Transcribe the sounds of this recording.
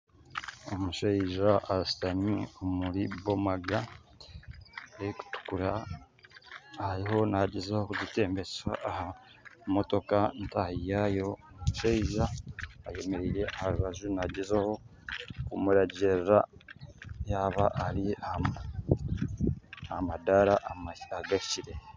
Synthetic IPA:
omuʃaiʒaːsi̥taniomuɾiβomaɡa | eiku̥tu̥kuɾa | haɾiho̞naɟezaho̞kuɟite̞ːmbeswa̰ːha | mo̞to̞kantahijajo̞ | muʃeiʒaːje̞me̞ɾiːɾe̞ʔahaɾuβaʒunaɟezaho̞ | kumuɾaɟeɾɾa | jaːβaʔːɾia | amadaɾaʔmaaɡaciɾe̞

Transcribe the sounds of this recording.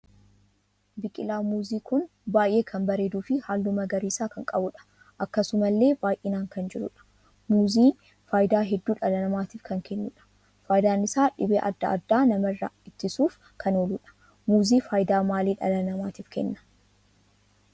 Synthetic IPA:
bɪkʼɪlaːmuːziːkʊn | baːjʔe̞ːkʰɐmbɐɾe̞ːd̪uːfɪhaːlːʊmɐɡɐɾiːsaːkɐŋkʼɐbʊᶑɐ̥ | ʔɐkːɐsʊmɐlːe̞ːbaːjʔɪnaːŋkɐnd͡ʒɪɾʊ̰ᶑɐ̥ | muːziː | faːjɪd̪aːɦɛd̪ːuːᶑɐlɐnɐmaːt̪iːfkɐŋkʰɛnːʊᶑɐ̥ | faːjd̪aːnɪsaːᶑɪbeːʔɐ̰d̪ːɐ̰ɐ̰d̪ːaːnɐmɐrːɐ̰ɪt̪ːɪsuːf | kʰɐnoːluᶑɐ̥ | muːziːfaːjd̪aːmaːliːᶑɐ̰lɐnɐmaːt̪iːfkɛ̰nːɐ̥

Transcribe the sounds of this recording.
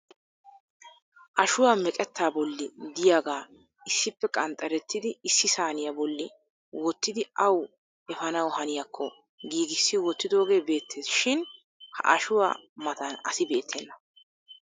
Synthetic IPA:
ʔɐʃʊwaːmɛkʼɛt̪ːaːbɔlːɪd̪ɪjaːɡaː | ɪsːɪpːɛkʼɐnt̪ʼɐɾɛt̪ːɪd̪ɪɪsːɪsaːnɪjabɔlːɪ | wɔt̪ːɪd̪ɪʔɐw | ɛfɐnɐwhɐnɪjakʰːɔ | ɡiːɡɪsːɪwɔt̪ːɪd̪o̞ːɡe̞ːbe̞ːt̪ːeːsʃɪn | hɐ̰ʔɐʃʊwa̰ːmɐt̪ɐnɐ̰sɪbe̞ːt̪ʰːɛnːɐ

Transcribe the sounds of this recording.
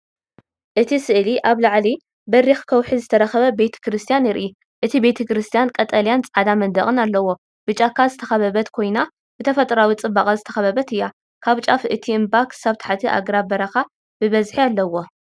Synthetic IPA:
ʔɨt̪ʰisɨʔliʔaβlaʕli | bɐɾixkʰɐwħizɨt̪ʰɐɾɐxɐβɐbe̞t̪ʰɐ̥kɾɨst̪ʰijanjɪɾʔi | ʔɨt̪ʰibe̞t̪ʰɐkɾɨst̪ʰijankʼɐt̪ʼɐljant͡sʼʕad̪amɐnd̪ɐχʼɨnalːɐwo̞ | b̥ɨt͡ʃʼːakʰːazɨt̪ʰɐxɐβɐβɐt̪kʰo̞jna | b̥ɨt̪ʰɐfɐt̪ʼɾawit͡sʼɨbakʼazɨt̪ʰɐxɐβɐβɐt̪ɨjːa | kʰaβt͡ʃʼafɨt̪ʰiɨmbakʰɨ̥saβt̪ʰḁħat̪ʰiʔa̰ɡɾabɐɾaxa | b̥ɨβɐzħialːɐwo̞

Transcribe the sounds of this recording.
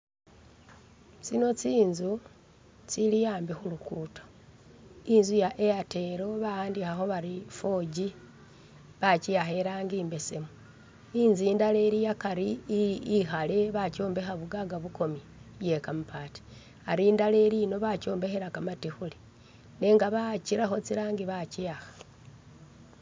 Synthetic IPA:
t͡sino̞t͡siːnzu | t͡silijaːmbixulukutḁ | inzujaʔejate̞ɾo̞βajaːndixaxo̞βaɾifo̞ɟi | βacijaxe̞ɾaːŋɡiːmbese̞mu | inziːndale̞ɾijakaɾiː | xale̞βaco̞ːmbe̞xaβuɡaɡaβukʰo̞mi | je̞kamupaːti̥ | aɾiːndale̞ɾino̞βaco̞ːmbe̞xeɾakamatixuli | ne̞ŋɡaβaciɾaxo̞t͡siɾaːŋɡiβaciaxḁ

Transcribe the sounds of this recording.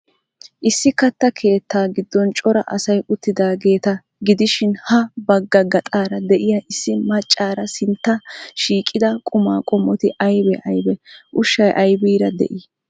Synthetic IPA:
ʔɪsːɪkɐt̪ːɐkʰe̞ːt̪ːaːɡɪd̪ːɔnt͡ʃʼɔɾɐʔɐsɐjʊt̪ːɪd̪aːɡe̞ːt̪ɐ | ɡɪd̪ɪʃɪnhɐbɐɡːɐɡːɐt̪ʼaːɾɐd̪ɛʔɪjɐʔɪsːɪmɐt͡ʃʼːaːɾɐsɪnt̪ːɐʃiːkʼːɪd̪ɐkʼʊma̰ːkʼɔmːɔt̪ɪʔɐjbɛʔɐjbɛʔʊʃːɐjʔɐjbiːɾɐd̪ɛ̰ʔiː

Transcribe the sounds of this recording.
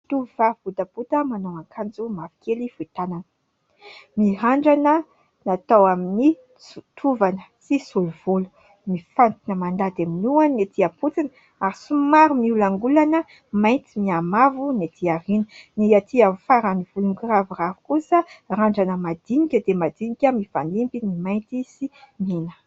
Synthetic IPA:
t̪uvav̥ut̪aput̪əmanoakʰand͡zumavi̥kelifuit̪ananə̥ | miɦaɳɖ͡ʐanə | nat̪awamini | ut̪ʰuvanə̥sisuluv̥ulu̥ | mifant̪inəmand̪ad̪aminuannet̪ʰiaput͡sin | aɾisumaɾumiulaŋɡulanə | majnt̪imiamavunet̪ʰiaɾinəniat̪ʰiafaɾaniv̥uluŋɡravuravu̥kusəɾaɳɖ͡ʐanəmad̪̥inikʲəd̪emad̪inikʲəmifanimbinimajnt̪isiminə̥

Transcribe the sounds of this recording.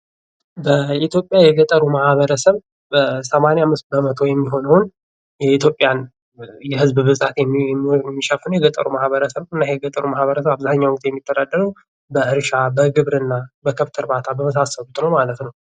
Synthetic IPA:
bəit̪ʰjo̞pʼjajɛɡət̪ʼːəɾumahβəɾəsəβ | bəsəmaneamːɨst̪bəmət̪ʰo̞jɛmːiɦo̞nəwn | jɛit̪ʰjo̞pʼjan | jɛɦɨzbbɨzʼat̪jɛmːiʃəfːɨnujɛɡət̪ʼːə̰ɾumahβəɾəsəβɨnːajɛɡət̪ʼəɾumahβəɾəs̬əβaβzaɲːawk̚t̪jɛmːit̪ʰːəd̪ad̪ːəɾəw | bəʔɨɾʃabəɡɨβɾɨnːabəkʰəβt̪ʰɨɾbat̪ʰabəməs̬asːəlut̪nəwmalət̪nəw

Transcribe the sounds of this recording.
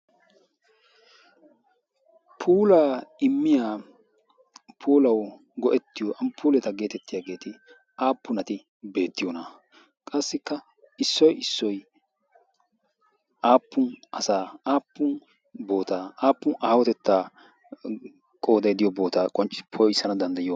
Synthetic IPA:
pʰuːlaːɪmːɪjaː | pʰuːlɐw | ɡɔʔɛt̪ːɪjɔʔɐmpʰuːlɛt̪ɐɡe̞ːt̪ɛt̪ːɪjaːɡe̞ːt̪ɪ | aːpːʊnɐt̪ɪ | be̞ːt̪ːɪjɔnɐ | kʼɐsːɪkːɐ | ɪsːɔjɪsːɔj | aːpːʊnʔɐsaːaːpːʊn | bo̞ːt̪aːaːpːʊnaːwɔt̪ɛt̪ːaː | kʼo̞ːd̪ɐjd̪ɪjɔbo̞ːt̪aːkʼɔnt͡ʃːɪ̥pʰɔjɪsːɐnɐd̪ɐnd̪ɐjɪjo

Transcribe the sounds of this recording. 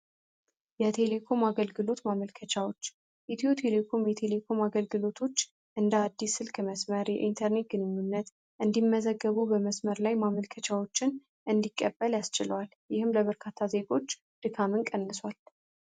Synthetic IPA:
jɛt̪ʰe̞le̞kʰo̞maɡəlɡɨlo̞t̪maməlkʰət͡ʃʰawo̞t͡ʃː | ʔɛt̪ʰijot̪ʰe̞le̞kʰo̞mjɛt̪ʰe̞le̞kʰo̞maɡəlɡɨlo̞t̪ʰo̞t͡ʃː | ʔɨnd̪əad̪ːisːɨlkʰəməsməɾjɛ̰ʔint̪ʰəɾne̞t̪̚ɡɨnɨɲːunːət̪ | ʔɨnd̪imːəzəɡːəβubəməsməɾlajmaməlkʰət͡ʃʰawo̞t͡ʃːɪn | ʔɨnd̪ikʼːəbːəljast͡ʃɪləwal | jɪhɨmləβəɾkʰat̪ʰːaze̞ɡo̞t͡ʃː | d̪̥ɨkʰamɨnkʼənːɨswal

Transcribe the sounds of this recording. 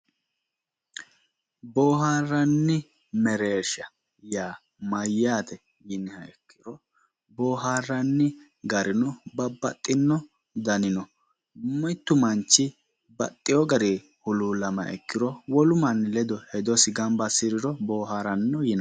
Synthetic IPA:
boːɦaːrːɐnːɪ | mɛɾeːʃɐ | jaː | mɐjːaːt̪ɛ | jɪnɪhɐɛkːɪ̥ɾɔ | boːɦaːrːɐnːɪ | ɡɐɾɪnʊbɐbːɐ̰t̪ʼːɪnːɔ | d̪ɐnɪnɔ | mɔjt̪ːʊmɐnt͡ʃːɪ | bɐ̰t̪ʼːɪjɔɡɐɾe | hʊluːlɐmɐ̰ʔɛ̰kːɪɾɔwɔlʊmɐnlɛd̪ɔhɛd̪ɔsɪɡɐmbɐsɪɾɪɾɔboːɦaːɾɐnːɔjɪnɐ

